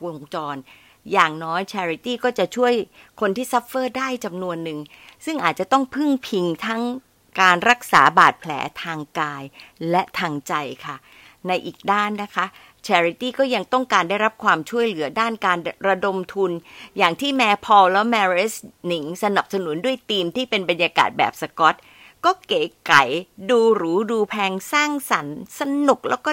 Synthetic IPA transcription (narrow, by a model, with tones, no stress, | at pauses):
wo˧ŋt͡ɕɔː˧n | jaː˨˩ŋnɔː˦˥jt͡ɕʰɛː˧ɾi˧˥t̪iː˥˩kɔː˥˩t͡ɕa˨˩t͡ɕʰu˥˩əjkʰo˧nt̪ʰiː˥˩sa˦˥pːɤː˥˩daː˥˩jt͡ɕa˧mnu˧ənːɯ˨˩ŋ | sɯ˥˩ŋʔaː˨˩t̪̚t͡ɕa˨˩t̪ɔ˥˩ŋpʰɯ˥˩ŋpʰi˧ŋt̪ʰa˦˥ŋ | kaː˧nɾa˦˥k̚sa̰ː˩˦baː˨˩t̪̚pʰlɛ̰ː˩˦t̪ʰaː˧ŋkaː˧jlɛ˦˥ʔt̪ʰaː˧ŋt͡ɕa˧jkʰa˥˩ | na˧jʔiː˨˩k̚daː˥˩nːa˦˥kʰa˦˥ʔ | t͡ɕʰɛː˧ɾi˧˥t̪iː˥˩kɔː˥˩ja˧ŋt̪ɔ˥˩ŋkaː˧nda˥˩jɾa˦˥p̚kʰwaː˧mt͡ɕʰu˥˩əjlɯ˨˩˦ɐdaː˥˩nkaː˧nɾa˧do˧mt̪ʰu˧njaː˨˩ŋt̪ʰiː˥˩mɛː˧pʰɔː˧lɛ˦˥mɛː˧ɾe˦˥sni˨˩˦ŋsa˧na˨˩p̚sa˧nu˩˦ndu˥˩əjt̪iː˧mt̪ʰiː˥˩pe˧nba˧njaː˧ka̰ː˨˩t̪̚bɛ̰ː˨˩p̚sa˧kɔ˦˥t̪̚ | kɔː˥˩keː˨˦ka˨˩˦jduː˧ɾɯː˩˦duː˧pʰɛː˧ŋsaː˥˩ŋsa˩˦nsa˧nu˨˩k̚lɛː˦˥wkɔː˥˩